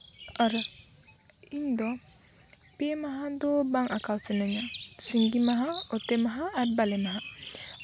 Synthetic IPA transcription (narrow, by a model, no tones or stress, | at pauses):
ʔaɾa | indɔ | pemaɦadɔbaŋakawsɛnɛɲasiŋɡimaɦaɔtɛmaɦaːbalɛmaɦa